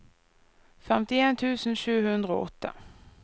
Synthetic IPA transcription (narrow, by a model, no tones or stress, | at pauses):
fɛmt̪ɪeːnt̪ʰʉːsn̩ʃʉːhʉnd̪ʁəo̰ːʔɔt̪ʰːə̰